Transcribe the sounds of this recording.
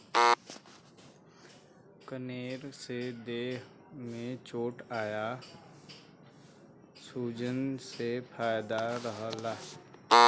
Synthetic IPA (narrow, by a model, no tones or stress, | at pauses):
kəneːɾsed̪eːɦ | mẽt͡ʃoːʈaːja | suːd͡ʒənsepʰaːjd̪aɾəɦəla